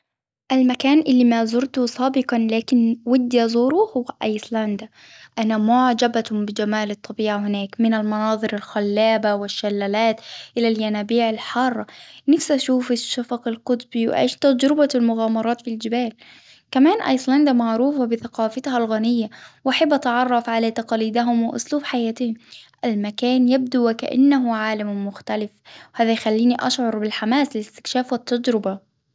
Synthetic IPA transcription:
ʔalmakaːnʔɪlːimaːzʊɾt̪ʊsˤɑːbɪqɑnlaːkɪnwɪd̪ːjɑzˤuːɾʊhʊwːaʔɑjsland̪a | ʔanamʊʕʕd͡ʒabat̪bɪd͡ʒamaːlɨt̪ˤːɑbiːʕahɪnaːkmɪnalmɑnɑːðˤɨɾalxalːaːbawɪʃːalːalaːt̪ʔɪlaljanaːbiːʕalħɑːrˤːnafsʔaʃuːfɪʃːafɑqɪlqʊt̪biw̰ʔḛːʃt̪ad͡ʒɾɪbalmʊɣaːmɑɾˤɑːt̪fild͡ʒɪbaːl | kamaːnʔɑ̰jsˤland̪amaʕɾuːfabɪθaqɑːfat̪halɣanɪjːawʔaħabːʔat̪ʕɑrˤːɑfʕalat̪ɑqɑːliːd̪aɦʊmwɪʔʊ̰sˤluːbħajaːt̪ɪhɪmʔalmakaːnjab̚d̪uwɪka̰ʔa̰nːaɦʊʕaːlammʊxt̪alɪfwhaːðajxalːiːniʔɑ̰ʃʕʊɾˤbɪlħamaːslɪlɪst̪ɪ̥kʃaːfwɪt̪ːad͡ʒɾɪba

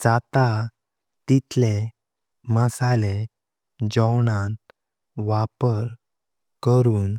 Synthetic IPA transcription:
d͡zat̪a | t̪it̪ʰle | məsale | d͡ʑɔwɳan | ʋapəɾ | kəɾuːn

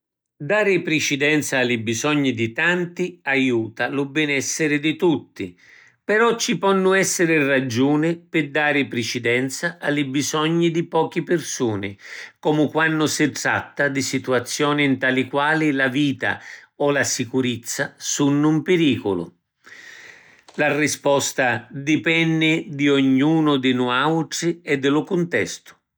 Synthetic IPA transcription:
d̪aːɾɪpɾɪt͡ʃid̪ɛnt̪saːlibizɔɲːid̪it̪ant̪iajuːt̪alʊbɛnɛsːɪɾɪd̪it̪ut̪ːi | pɪɾɔt͡ʃːipɔnːʊɛsːɪɾɪrad͡ʒuːnɪpɪd̪aːɾɪpɾɪt͡ʃid̪ɛnt̪saʔalibizɔɲːid̪ipɔːk̟ɪpɪrsuːnɪ̰kɔmʊkwanːʊsɪʈɾa̰t̪ːad̪isit̪uat̪sːjɔːnɪːnt̪aːlikwaːlɪlaviːt̪a̰ɔlasikuɾɪt̪sːasunːumpɪɾiːkʊ̰lʊ̰ | larispɔst̪ad̪ipɛnːɪd̪ioɲːuːnʊd̪ɪnʊawʈɾiɛd̪ːɪlʊkʊnt̪ɛst̪ʊ̥

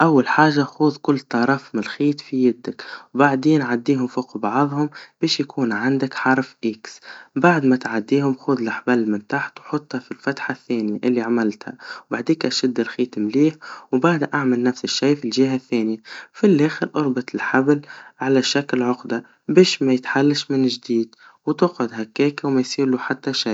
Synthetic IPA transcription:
ʔawːalħaːʒːaxuːðkʊlːt̪ˤɑɾˤɑfmɪlxiːt̪fijɪd̪ːakwbaʕd̪eːnʕad̪ːiːɦʊmfoːqbɑʕðˤhʊmb̥eːʃjakuːnʕand̪akħɑɾˤfʔɪksbaʕd̪mat̪ʕad̪ːiːhʊmxʊðlaħbalːmɪnt̪aħt̪wħʊt̪ˤːhafilfat̪ħaθːeːnjaʔɪlːiʕamalt̪ha̰wbaʕd̪iːkʔaʃɪd̪ːɪlxiːt̪ɪmliːhwbaʕd̪ʔaʕmalnafsɪʃːajfilʒɪːɦaθːeːnjafilːeːxɪɾʔɑɾˤbɑt̪ɪlħablʕalaʃːaklʕʊqd̪a | beːʃmajɪt̪ħalːaʃmɪnɪʒd̪iːd̪ | wt̪ʊqʕʊd̪ɦakːeːkawmajsˤiːɾluħat̪ːaʃaj

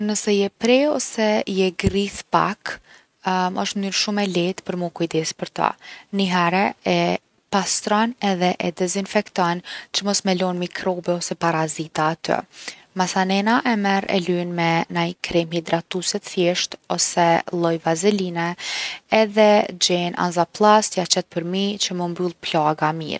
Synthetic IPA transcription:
nəsɛjɛpɾɛɔ̰sɛjɛɡɾiθpa̰k | mɔʃt̪mnyɾʃumɛlɛt̪pəɾmukujd̪ɛspəɾt̪a̰niɦɛɾɛɛ | past̪ɾɔnɛðɛʔɛd̪ɛzinfɛkt̪ɔnt͡ʃəmɔsmɛlɔnmikʰɾɔbɛɔsɛpaɾazit̪aːt̪ə̰ | masanɛnaʔɛmɛɾɛ̰lyjnmɛnajkʰɾɛmhid̪ɾat̪usɛt̪fjɛʃt̪ɔsɛlˠɔjvazɛlinɛɛðɛd͡ʑɛna̰nzaplˠast̪jat͡ʃɛt̪̚pəɾmit͡ʃəməmbulˠplaɡamḭɾ

